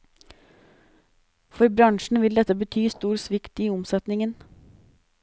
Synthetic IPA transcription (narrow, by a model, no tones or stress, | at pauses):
fɔɾbɾɑŋʃɳ̩ʋɪld̪ɛt̪əbət̪ʰyːst̪uːɾsʋɪkt̪iːʊmsɛt̪nɪŋən